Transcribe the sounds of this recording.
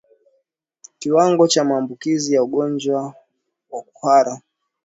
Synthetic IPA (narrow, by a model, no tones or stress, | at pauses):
kiwaŋɡɔt͡ʃamaːmbukizijauɠɔnd͡ʒwa | waku̥haɾa